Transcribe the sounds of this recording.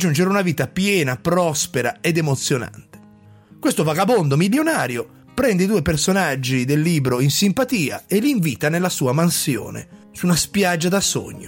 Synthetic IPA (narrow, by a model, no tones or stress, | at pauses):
d͡ʒːund͡ʒeɾunaviːt̪apjɛːnapɾɔspeɾa̰ed̪emot̪sːjona̰nt̪e̥ | kwest̪ovaɡabond̪omiljonaːɾjo | pɾɛnd̪eid̪uːepersonad͡ʒːid̪elːiːbɾoinsimpat̪iːa̰elːiɱviːt̪anelːasuːamansjo̰ːnḛ | sunaspjad͡ʒːad̪aso̰ɲːo̰